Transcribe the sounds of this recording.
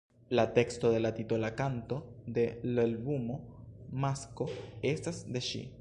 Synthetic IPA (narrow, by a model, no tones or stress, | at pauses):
late̞ksto̞de̞lat̪itolakanto̞d̪e̞lalbumo̞masko̞e̞stasd̪e̞ʃḭ